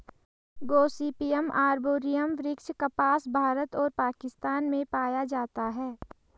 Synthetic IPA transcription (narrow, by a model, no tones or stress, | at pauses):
ɡoːsiːpijəmʔaːɾboːɾijəmʋɾɪkʃkɐpaːsbʱaːɾət̪ɔːɾpaːkɪst̪aːnmẽpaːjad͡ʒaːt̪aɦɛː